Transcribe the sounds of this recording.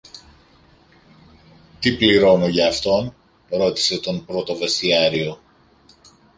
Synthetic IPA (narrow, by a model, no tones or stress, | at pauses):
t̪ipliɾo̞noʝɐːft̪o̞n | ɾo̞t̪i̥se̞t̪o̞npɾo̞t̪o̞ve̞st̪iɐɾio̞